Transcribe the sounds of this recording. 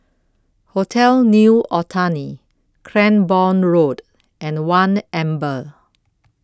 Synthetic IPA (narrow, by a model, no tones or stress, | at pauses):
hotʰɛlnjuʔɔtʰani | kʰɹɛ̃nbɔ̃nɹod | ʔɛ̃nwãnɛ̃mbə